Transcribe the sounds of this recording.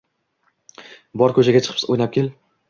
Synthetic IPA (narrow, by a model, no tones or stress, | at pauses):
bɒɾkʰɵt͡ʃaɡʲat͡ʃʰɨ̥qʰojnap̚kʲel